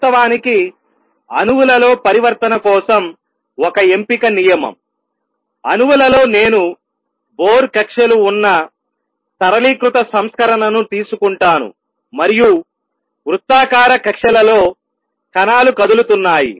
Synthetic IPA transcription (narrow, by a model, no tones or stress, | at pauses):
ɐʋaːniki | ɐ̰nuʋulɐlo̞ːpɐɾiʋɐɾt̪ɐnɐkɔːsɐm | ɔkɐe̞mpikɐnijɐmɐ̰m | ɐnuʋulɐlo̞ːne̞ːnu | boːɾkɐkʂɐluːnːɐ | t̪ɐɾɐliːkɾut̪ɐsɐmskɐɾɐnɐnut̪iːsukuɳʈaːnṵ | mɐɾiju | ʋɾut̪ːaːkaːɾɐkɐkʂɐlɐlo̞ː | kɐnaːlukɐd̪ulut̪unːaːjḭ